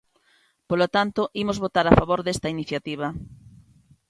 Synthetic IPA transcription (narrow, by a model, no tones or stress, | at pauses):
polot̪ant̪oʔimozβot̪aɾafaβoɾðest̪ɐiniθjat̪iβ̞ɐ